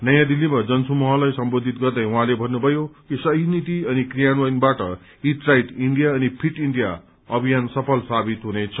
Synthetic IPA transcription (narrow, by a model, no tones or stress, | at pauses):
nʌjãd̪ilːimad͡zʌnsumʌɦʌlajsʌmbod̪ʱit̪ɡʌrd̪ʌjuɦãlebʱʌnːubʱʌjokisʌɦinit̪iʌnikrijanwajnbaʈʌ | iʈrajʈiɳɖijaʌnipʰiʈiɳɖija | ʌbʱijansʌpʰʌlsabit̪ɦunet͡sʰʌ